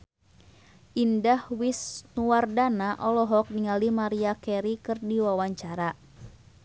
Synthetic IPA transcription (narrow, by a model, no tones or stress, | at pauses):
ʔindahwisnuwardanaʔɔlɔɦɔk̚niŋalimaɾiakɛɾikɨrdiwawaɲt͡ʃaɾa